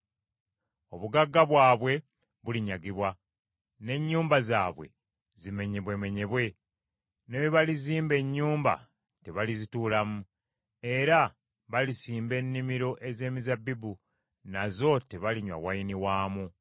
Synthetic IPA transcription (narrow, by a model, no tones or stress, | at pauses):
o̞βuɡaɡːaβwaːβwe̞ | βuliɲaɡiβwa | ne̞ɲːuːmbazaːβwe̞̰ | zime̞ɲe̞βwe̞me̞ɲe̞βwe̞ | neβeβaliziːmbe̞ɲːuːmba̰ | te̞βalizituːlamu | e̞ɾa | βalisiːmbe̞nːimiɾo̞ʔe̞ze̞ːmizabːibu | nazo̞te̞βaliɲwa̰wajiniwaːmu